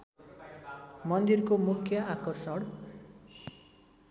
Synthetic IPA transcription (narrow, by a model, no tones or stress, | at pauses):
mʌnd̪irkomukʰjʌʔakʌrsʌɽ